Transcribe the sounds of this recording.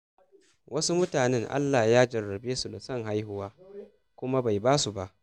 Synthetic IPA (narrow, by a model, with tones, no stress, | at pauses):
wʔɐ˦su˦mʊ˦taː˨nɛ˦ŋʔa̰˦lːaː˨jaː˦d͡ʒɐ˨rːɐ˨beː˦su˨da˨sɐ˦ŋɦa˦jhʊ˦waː˦ | kʷʊ˦ma˦ba˨jbaː˦su˨ba˦ʔ